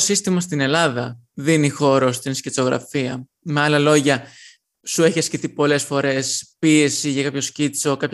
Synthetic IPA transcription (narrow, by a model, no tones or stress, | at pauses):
osist̪imɐst̪ine̞lɐðɐ | ðinixo̞ɾo̞st̪inscit͡so̞ɣɾɐ̰fiɐ | meɐlɐlo̞ʝɐ | sue̞çiɐsciθipo̞le̞sfo̞ɾe̞spie̞siʝɐkɐpço̞scit͡so̞kɐp